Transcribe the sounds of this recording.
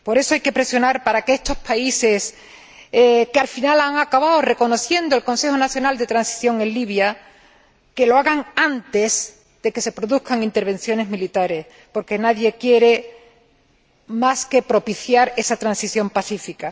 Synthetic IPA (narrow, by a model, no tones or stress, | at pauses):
po̞ɾe̞soajke̞pɾe̞sjo̞naɾpaɾakeest̪o̞spaise̞s | kealfinalaŋakaβaore̞ko̞no̞θje̞nd̪o̞elko̞nse̞xo̞naθjo̞nald̪e̞t̪ɾansi̥θjo̞ŋe̞nliβ̞ja | ke̞lo̞aɣaŋant̪e̞s | d̪̥e̞ke̞se̞pɾo̞ðuhkaŋint̪e̞ɾβ̞e̞nθjo̞ne̞zmilit̪aɾe̞s | po̞ɾke̞naðje̞kje̞ɾe̞ | maske̞pɾo̞piθjaɾe̞sat̪ɾansiθjo̞mpaθifika